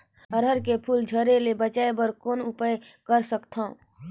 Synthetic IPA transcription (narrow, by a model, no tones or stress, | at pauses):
əɾəɾkepʰʊld͡ʒʱəɾelebət͡ʃaːebəɾkoːnʊpəekəɾsəkt̪ʰã